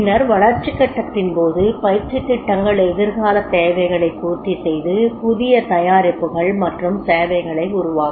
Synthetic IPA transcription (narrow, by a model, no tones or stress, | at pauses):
ɪnɐɾʋɐɭɐɾt͡ʃːɪkːɐʈːɐt̪ːɪnpoːðɯpɐjɪɾt͡ʃɪt̪ːɪʈːɐŋɡɐɭɛðɪɾɣaːlɐt̪ːeːʋɐɪɣɐɭɐɪkːuːt̪ːisɛjðɯpʊðɪjɐt̪ɐjaːɾɪpːɯɣɐɭmɐʈrɯmseːʋɐɪɣɐɭɐɪʊɾʊʋaːɣ